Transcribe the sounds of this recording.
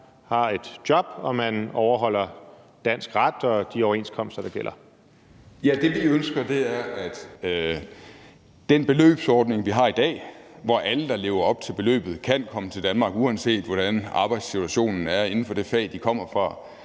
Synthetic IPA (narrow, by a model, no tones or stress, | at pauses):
hɑ̈e̝d̥jɒ̽b̥ɒ̽mænɒʊɐɦɒ̽l̰ɐ | d̥æn̰sɡ̥ʁad̥ɒ̽d̥iɒʊɐe̝nskʰɒ̽m̰sd̥ɐd̥ɑ̈ɡ̥el̰ʔɐ | jæd̥e̝ʋiønsɡ̥ɐd̥e̝æɐʔæd̥ø | d̥enb̥e̝lø̰ːb̥sɒːd̥ne̝ŋʋiɦɑ̈ːid̥ɛ̰ːʋɒʔæləd̥ɑ̈le̝ːʊɐɒ̽b̥̚t͡sʰe̝lb̥e̝lø̰ːb̥ð̞̩ˠkʰæn̰kʰɒ̽mət͡sʰe̝ld̥ænmɑ̈ːɡ̥uænse̝̰ːd̥ʋɒɾ̥ænɑ̈ːb̥ɑ̈ɪd̥sit͡sʰuæɕo̝̰ːnn̩æɐe̝nn̩fɒ̽d̥e̝fɛ̰ːd̥ikʰɒ̽m̰ɐfʁɑ̈